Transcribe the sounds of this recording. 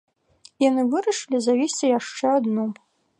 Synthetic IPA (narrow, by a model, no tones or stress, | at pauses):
janɨvɨɾɐʂɨlʲizavʲisʲt͡sʲijaʂt͡ʂɛad̪nɔ